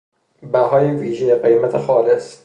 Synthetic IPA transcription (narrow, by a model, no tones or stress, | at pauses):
bæɦɒːjeviːʒejeɢejmæt̪ʰexɒːles